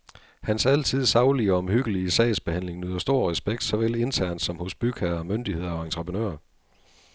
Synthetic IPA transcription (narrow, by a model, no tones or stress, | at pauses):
hænsæl̰t͡sʰið̞̰ˠsɑ̈ʊliɒ̽mhyɡ̥əliəsɛɪsb̥e̝hæn̰le̝ŋnyð̰ˠɐsd̥o̝ɐ̰ʁɛsb̥eɡ̥d̥sɒ̽ʋele̝nt͡sʰæɐ̰nd̥sɒ̽mhɔ̽sb̥yɡ̥æɐmønd̥ihe̝ð̰ˠɐɒ̽ent͡sʰʁəpʰʁənø̰ːɐ